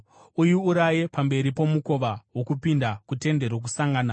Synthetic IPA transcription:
ujuuɾajepambe̞ɾipo̞muko̞ʋawo̞kupindakute̞nde̞ɾok̬usaŋɡaːna

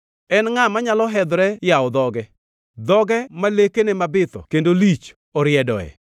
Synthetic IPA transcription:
ɛnŋamaɲalɔɦɛd̪ɾɛjaɔd̪ɔɡɛ | d̪ɔɡɛmalekenɛmabɪt̪ɔ̰kendolit͡ʃ | ɔɾjɛdɔ̰ɛ̰

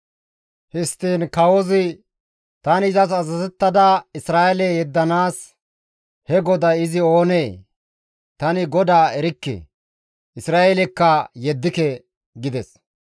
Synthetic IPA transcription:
hɪst̪ːiːnkɐwɔzɪ | t̪ɐnɪzɐsɐzɐzɛt̪ːɐd̪ɐɪsɾaːɛlɛjɛd̪ːɐnaːs | hɛɡɔd̪ɐɪzɪo̞ːneː | t̪ɐnɪɡɔd̪aːɛɾɪkːḛ | ɪsɾaːɛlɛkːɐjɛd̪ːɪkɛ | ɡɪd̪ɛs

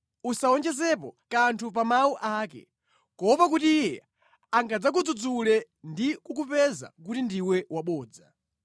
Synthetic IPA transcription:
usaɔnt͡ʃɛsɛpɔ̰kantʰup̬amauʔaːkɛ̰ | kɔpak̬utiːjɛ̰ | aŋɡad͡zak̬ud͡zud͡zulɛ | ndikukupɛza̰k̬utindiwɛwaɓɔːd͡za

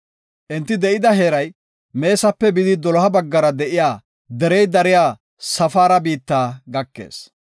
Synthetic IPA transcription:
ʔɪnt̪ːɪd̪ɛʔɪd̪ɐɦe̞ːɾɐj | me̞ːsɐpːɛbɪd̪ɪd̪ɔlɔhɐbɐɡːɐɾɐd̪ɛʔɪjaː | d̪ɛɾɛjd̪ɐɾɪjaː | sɐfaːɾɐbiːt̪ːaːɡɐkːḛːs

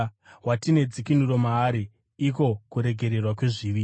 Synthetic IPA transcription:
watine̞d͡zikinuɾo̞maːɾiː | ko̞kuɾe̞ɡʱe̞ɾe̞rwakwe̞ʐiʋiː

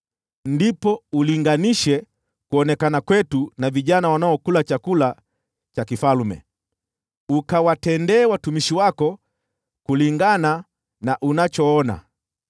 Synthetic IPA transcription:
ndipɔuliŋɡaniʃɛ | kuɔnɛkanakwɛtunaviʄanawanaɔkulat͡ʃakula | t͡ʃakifalumɛ̰ | ukawatɛndɛːwatumiʃiwakɔ | kuliŋɡana | naʔunat͡ʃɔɔna̰

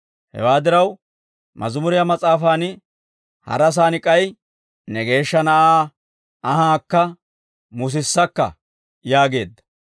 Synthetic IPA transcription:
hɛ̰waːd̪ɪɾɐw | mɐ̰zʊmʊɾɪjɐmɐt͡sʼaːfaːnɪ | hɐ̰ɾɐs̬aːnɪkʼːɐj | nɛɡe̞ːʃːɐnɐʔaː | ɐɦaːkːɐ | mʊs̬ɪsːɐkːɐ̰ | jaːɡe̞ːd̪ːɐ̥

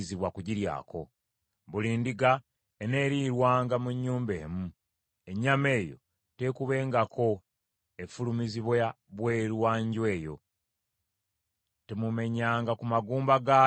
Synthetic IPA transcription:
ziβwakuɟiɾja̰ːko̞̰ | βuliːndiɡa | ene̞ːɾiɾwaːŋɡamuɲːuːmbe̞ːmu | e̞ɲːame̞ːjo̞̰ | te̞kuβe̞ːŋɡakʰo̞ | efulumiziβwa | βwe̞ːɾwaːɲɟwe̞ːjo̞̰ | temume̞ɲaːŋɡakumaɡuːmbaɡa

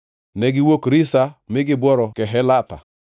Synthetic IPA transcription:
nɛɡɪwokɾɪsamɪɡɪbɔɾɔkɛɦɛlat̪a̰

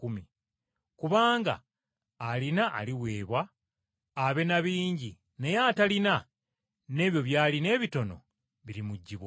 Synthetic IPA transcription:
umi | kuβaːŋɡa̰ː | linaʔːliwe̞ːβwaː | βe̞naβiːɲɟi | nejatalina | ne̞ːβjo̞βjaːline̞ːβito̞no̞̰ | βiɾimuɟːiβa

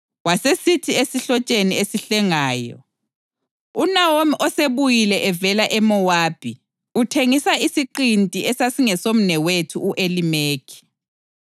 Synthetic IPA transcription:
wasesitʰiesiɬɔt͡ʃʼeniesiɬɛŋaːjɔ̰ | unawomiʔɔseβujilɛʔɛvɛlaʔɛmɔwaːb̥ʱi | utʰeŋisaisiǃintʼiɛsasiŋɛsom̩nɛwetʰuuʔelimeːkʰi̥

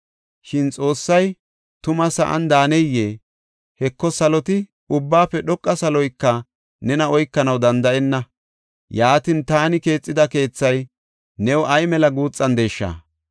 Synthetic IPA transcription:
ʃɪnt͡sʼo̞ːsːɐj | t̪ʊmɐsɐ̰ʔɐ̰nd̪aːnɛjːeː | hɛkːɔsɐlɔt̪ɪ | ʊbːaːpːɛɗɔkʼːɐsɐlɔjkːɐ | nɛnɐɔjkːɐnɐwd̪ɐnd̪ɐʔɛnːɐ | jaːt̪ɪnt̪aːnɪke̞ːt͡sʼːɪd̪ɐke̞ːt͡sːɐj | nɛwʔɐjmɛlɐɡuːt͡sʼːɐnd̪eːʃːɐ̰

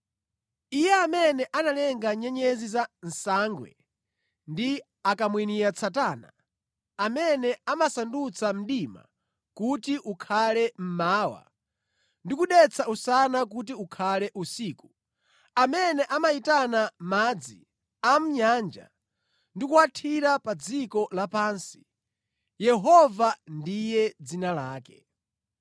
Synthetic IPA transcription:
ijɛamɛnɛʔanalɛŋɡaɲɛɲɛzizan̩saːŋɡwɛ̰ | ndi | akamwiniɾat͡sʰataːna̰ | amɛnɛamasandut͡sʰam̩ɗima̰ | kutiʔukʰalɛm̩maːwa̰ | ndikuɗɛt͡sʰausanak̬ut̬iukʰalɛʔusiːku | amɛnɛʔamaitanamaːd͡zi | am̩ɲaːnd͡ʒa̰ | ndikuwatʰiɾapad͡zikɔlapaːnsi̥ | jɛɦɔvandijɛd͡zinalaːkɛ̥

